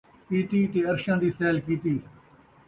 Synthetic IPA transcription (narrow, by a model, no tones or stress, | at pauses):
piːt̪iːt̪eːəɾʃãːd̪iːsɛːlkiːt̪iː